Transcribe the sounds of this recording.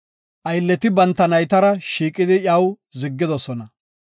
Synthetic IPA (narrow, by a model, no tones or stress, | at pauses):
ʔɐjlːɛt̪ɪbɐnt̪ːɐnɐjt̪ɐɾɐʃiːkʼɪd̪ɪʔɐwzɪɡːɪd̪ɔsɔnɐ